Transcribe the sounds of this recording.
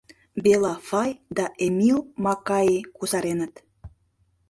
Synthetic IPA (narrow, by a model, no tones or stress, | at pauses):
belɑfɑjd̪ɑʔemilmɑkɑjekuzɑɾenət̪